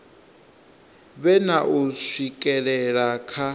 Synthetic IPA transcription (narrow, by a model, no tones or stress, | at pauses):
βɛnaʔusikʼɛɺɛɺakʰa